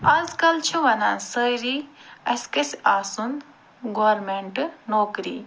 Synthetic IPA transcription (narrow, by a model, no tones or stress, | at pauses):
ɐzkɐlt͡ʃʰuʋɐnã̰səjɾiːɐskɐsiaːsun | ɡoʋɐɾmeɳʈnoːkɾḭː